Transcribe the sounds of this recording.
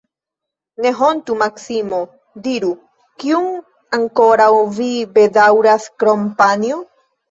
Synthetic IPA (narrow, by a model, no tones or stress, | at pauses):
ne̞ɦont̪umaksimo | d̪iɾu | kiuŋ | aŋko̞ɾawvibed̪awɾaskɾompanio